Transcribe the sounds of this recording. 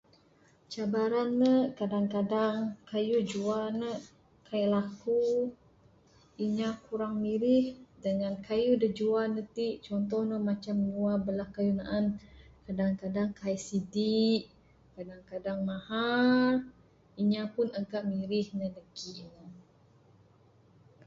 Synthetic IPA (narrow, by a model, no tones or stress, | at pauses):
t͡ʃabaɾanːəkadaŋkadaŋkajud͡ʒuanə | kʰailaku | iɲakuɾaŋmiɾihdəŋankajudəd͡ʒuanət̪iʔt͡ʃɔnt̪̬ɔhnəmat͡ʃamnuabəlahkajunaʔankadaŋkadaŋkaisidiʔ | kadaŋkadaŋmahar | iɲapunaɡaʔmiɾihnədəɡiʔnə